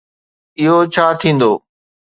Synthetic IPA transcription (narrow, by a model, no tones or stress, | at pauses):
ɪɦot͡ɕʰaːt̪ʰĩːn̆d̪o̰ː